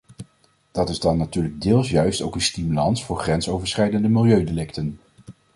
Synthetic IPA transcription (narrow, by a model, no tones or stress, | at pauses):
d̥ɑtɪzdɑnːatyːɹləɡ̚dɪːlˠsjœɥstowkənstimylɑnsfʊːɹχrɛnsowvəɹsχɛjdəndəmɪlˠjøɥdelɪktən